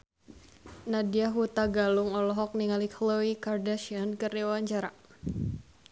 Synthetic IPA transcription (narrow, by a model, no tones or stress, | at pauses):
nadiaɦut̪aɡaluŋɔlɔɦɔk̚niŋalikʰloikardaʃiankɨriwaɲt͡ʃaɾa